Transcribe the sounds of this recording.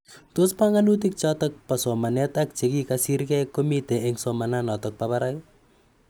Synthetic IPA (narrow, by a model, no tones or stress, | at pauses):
tospaŋanut̬ik̚t͡ʃɔtɔk̚pasɔmanɛtak̚t͡ʃekikasiɾkɛjkːomiteɪŋsɔmananɔtɔk̚pabaɾakɪ